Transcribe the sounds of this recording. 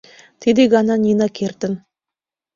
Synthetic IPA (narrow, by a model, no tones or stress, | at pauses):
t̪ʰed̪eɡʲɑnɑnʲinakʲʰert̪ɪn